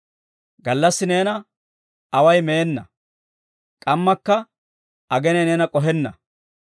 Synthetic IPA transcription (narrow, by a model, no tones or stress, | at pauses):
ɡɐlːɐsːɪne̞ːnɐ | ɐwɐjmeːnːɐ̰ | kʼɐmːɐkːɐ | ɐɡɛnɛneːnɐkʼɔɦɛnːɐ̰